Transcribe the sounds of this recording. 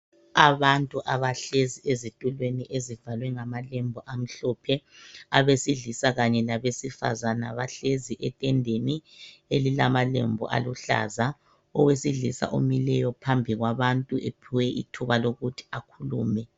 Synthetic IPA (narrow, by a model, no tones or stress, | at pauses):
aβantʼuʔaβaɬeziezitʼulweniʔezivalwɛŋamalembʱuʔam̩ɬɔːpʰɛaβesiɮisaɣaɲɛlaβesifa̰zanaβaɬeziʔɛtʼɛndʱenielilamalḛmbʱṵʔa̰luɬa̰za | ɔwesiɮisa̰ʔo̰milɛjɔpʰambʱiɣwaβantʼuʔepʰiwɛʔḭtʰuβaloɣutʰi̥akʰuluːmɛ